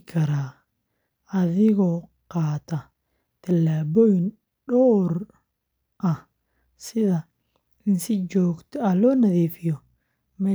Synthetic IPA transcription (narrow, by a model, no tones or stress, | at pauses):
kʰɐɾaː | ɐðɪɣɔqɑːt̪ʰɐ | t̪ʰɐlaːbɔn | ɗɔːr | ʔɐ | sɪðɐ | ɪnsɪd͡ʒɔːɡt̪ʰɔɐlɔːnɐðiːfɪjɔ | mɛː